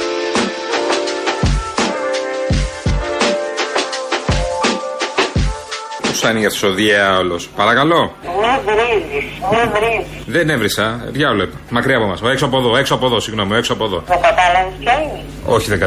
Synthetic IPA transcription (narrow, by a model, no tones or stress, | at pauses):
pusɐniʝɐt̪soðieɐolo̞spɐɾɐkɐlo̞ | mivɾizismivɾizisðenevɾisɐðʝɐoloipɐ̥mɐkɾiɐpo̞mɐ̰soeksoɐpo̞ðo̞e̞ksoɐpoðo̞siɣno̞mieksoɐpoðo̞ðokɐt̪ɐlɐvispʰɐi | o̞̰çiðeɡɐ